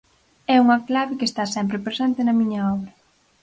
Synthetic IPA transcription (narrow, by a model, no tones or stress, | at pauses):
ɛuŋɐklaβɪkest̪asɛmpɾepɾesɛnt̪ɪnɐmĩɲɐɔβɾɐ